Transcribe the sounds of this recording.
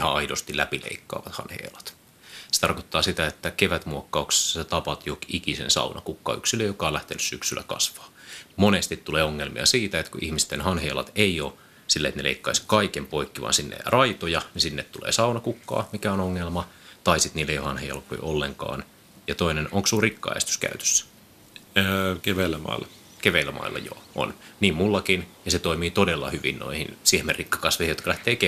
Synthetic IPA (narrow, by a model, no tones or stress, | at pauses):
ihɑɑidost̪ilæpilḛikːɑ̰ːʋɑt̪hɑ̰nhḛːlɑt̪ | se̥t̪ɑrkot̪ːɑːsit̪æet̪ːækeʋæt̪muokːɑukse̥sːet̪ɑpɑt̪jokikisḛnsɑ̰unɑkukːɑ̰ːyksiløjokɑːlæht̪enyssyksylːæ̰kɑ̰sʋɑːmonest̪it̪tuleːoŋːelmḭɑ̰siːt̪æet̪kuʔḭhmist̪enhɑnheːlɑ̰t̪eioː | silːeet̪nelḛikːɑiskɑikempoikːiʋɑ̰ːnsinːḛrɑit̪ojɑnisinːet̪t̪ulḛːsɑunɑkukːɑ̰ːmikæonoŋːelmɑt̪ɑisit̪niːlːejohɑnhejɑ̰lko̰iʔolːeŋkɑ̰ːn | jɑt̪oinenoŋksuːrikːɑ̰ːḛst̪y̥skæ̰yt̪ø̥sːæ̥ | keʋeilːæmɑ̰ˑilːɑ | keʋeilːæmʔɑ̰ilːɑ̰jo̰ːʔo̰nniːmmulːɑkinjɑset̪oimiːt̪odelːɑ̰hyʋḭnno̰ihḭnsihmerrikːɑ̥kɑsʋeijot̪kɑlæht̪eːke